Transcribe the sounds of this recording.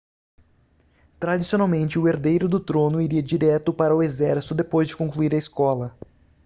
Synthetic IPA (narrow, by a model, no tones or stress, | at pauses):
t̪ɾad͡ʒisionawmẽnt͡ʃɪʊeɾd̪ejɾʊd̪ʊt̪ɾõnʊiɾiɐd͡ʒiɾɛt̪ʊpaɾɐʊezɛɾsi̥t̪ʊd̪epojzd͡ʒɪkõŋkluiɾɐiskɔlɐ